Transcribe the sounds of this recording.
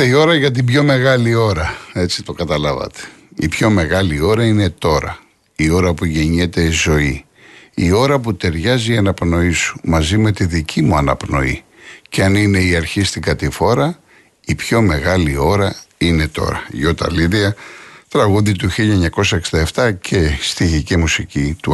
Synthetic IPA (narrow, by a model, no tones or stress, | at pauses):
eio̞ɾɐʝɐt̪̬ibʝo̞me̞ɣɐlio̞ɾɐe̞t͡si̥t̪o̞kɐt̪ɐlɐvɐ̰t̪e̥ | ḭpço̞me̞ɣɐlio̞ɾɐine̞t̪o̞ɾɐ̰ | io̞ɾɐpuʝeɲet̪e̞zo̞i | io̞ɾɐp̬ut̪e̞ɾʝɐziiɐnɐpno̞isu̥mɐzime̞t̪iðicʰimuɐnɐpno̞̰ḭ | ceɐnine̞iɐɾçist̪iɡɐt̪ifo̞ɾɐ | ipço̞me̞ɣɐlio̞ɾɐine̞t̪o̞̰ɾɐ̰ʝot̪ɐ̰liɾiɐt̪ɾɐɣuðit̪uçiʎɐeɲɐko̞sɐeksind̪ɐeft̪ɐcʰe̞st̪iʝicimusicit̪u